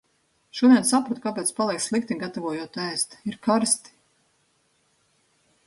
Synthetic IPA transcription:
ʃuɔd̪ʲɛnsapɾɔt̪̚kapɛːt̪spalˠiɛkslˠik̚t̪iŋɡat̪avuɔjuɔt̪æːst̪iɾkaɾst̪i̥

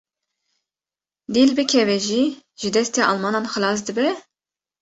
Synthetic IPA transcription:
d̪iːlbɨkʰɛvɛʒiːʒɨd̪ɛst̪eːʔɑlmɑːnɑːnxɨlɑːs̬d̪ɨbɛ

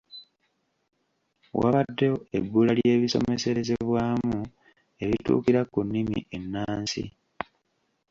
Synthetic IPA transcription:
wa̰βadːeoebːuːlalje̞ːβiso̞̰me̞se̞ɾe̞ze̞βwaːmu | e̞βitṵːkiɾakunːimḭʔe̞nːaːnsḭ

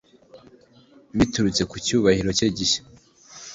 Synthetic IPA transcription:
βituɾut͡se̞kucuːβahiɾo̞ceɟiʃe̥

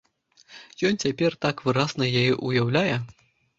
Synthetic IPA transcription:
jɔnt͡sʲapʲɛrt̪akvɨɾaznɐjajɛʔujawlʲajɛ

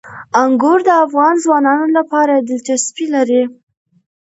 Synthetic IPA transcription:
aŋɡʊɾd̪əafɣɑnzwɑnɑnolapɑɾad̪ɪlt̪aspilaɾi

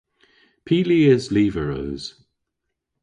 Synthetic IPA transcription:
pʰiːliːɪzliːvəɹəːz̥

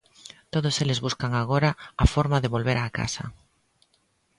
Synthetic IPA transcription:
t̪oðoselezβuskaŋaɣ̞oɾaːfoɾmaðeβolβeɾaka̰sa̰

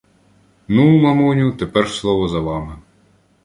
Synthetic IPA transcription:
numɐmunʲut̪epɛrslˠɔʋɔzɐʋɑmɪ

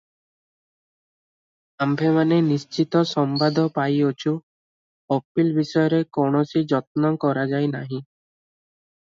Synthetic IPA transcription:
ambʱemanenist͡ʃit̪ɔsɔmbad̪ʱɔpajot͡ʃʰu | ɔpilbisɔjɔɾekoɳ̃ɔsid͡ʒɔt̪̚nɔkɔɾad͡ʒajnaɦĩ

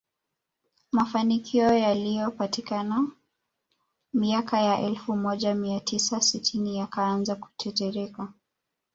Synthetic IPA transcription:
mafanikʰiɔjalijɔpatikana | miakajaʔɛlfumɔʄamiatʰisasitʰinijakaanzaku̥tʰɛtɛɾɛka

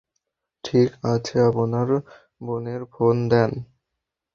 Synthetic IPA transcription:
ʈʰikat͡ɕʰeaponaɾ | boneɾfond̪ɛn

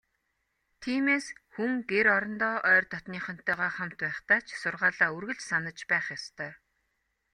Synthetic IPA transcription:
t̪ʰiːmeːsxuŋɡeɾɔɾɞ̆nt̪ɔːʔœːrt̪ɔt̪niːχœ̆n̥t̪ːœːʁaːχam̥t̪pæːχt̪aːt͡ɕʰsʊrʁaːɮaːurɣɘ̆ɮt͡ɕsanə̆t͡ɕpæːχjɔst̪ʰœː

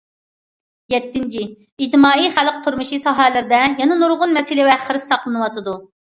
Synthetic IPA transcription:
jɛt̪ːɪnt͡ʃʰi | id͡ʒt̪ɨmɑːijχæləq̚t̪ʰuɾmuʃisɑɦɛlɪɾɪd̪ɛjɛnɨnuɾʁʊnmɛsilɪwɛχəɾɪsːɑqlˠɨnɨwɑt̪ɨd̪u

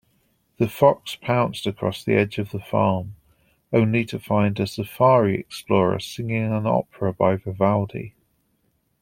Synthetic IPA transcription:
ðəfɒkspʰãʊ̃nstəkʰɹ̥ɒ̰sðḭɛd͡ʒəvðəfɑ̰ːm | ə̃ʊ̃nlitʰəfãɪ̃ndəsəfɑːɹiɛ̰ksplɔːɹə̰sɪ̃ŋɪ̃ŋə̃nɒ̰pʰɹəbaɪvəvalˠdḭ

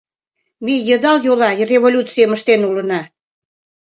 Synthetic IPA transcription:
mijəd̪ɑljolɑrʲevolʲut̪t͡sijəməʃt̪enulə̆nɑ

